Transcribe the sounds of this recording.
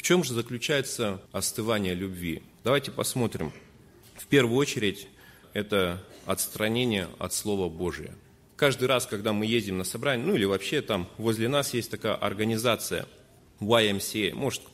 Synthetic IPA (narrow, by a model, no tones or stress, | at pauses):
ft͡ɕo̞mʐɨzəklʲʉt͡ɕæjɪt̪səɐst̪ɨvanʲɪjəlʲʊbvʲi | d̪ɐvajtʲɪpɐsmo̞t̪ɾʲɪ̰m | fpʲe̞rvʊjʊot͡ɕɪɾʲɪtʲ | ɛt̪əɐt̪st̪ɾɐnʲenʲɪjə̰ɐ̰t̪slˠo̞vəbo̞ʐɨjə̰ | kaʐd̪ɨjɾaskɐɡd̪amɨjezʲdʲɪmnəsɐbɾanʲɪənuilʲɪvɐpɕːe̞t̪amvo̞zʲlʲɪnasjesʲtʲt̪ɐkajə̰ʔɐ̰rɡənʲɪzat̪sɨjə̰ | waɛmsʲemʔo̞ʐɨt̪